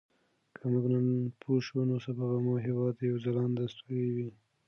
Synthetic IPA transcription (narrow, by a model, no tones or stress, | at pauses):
kʰamuɡnanpʰoʃunosapaɣamoɦɪwɑd̪jawzalɑnd̪ast̪uɾiwi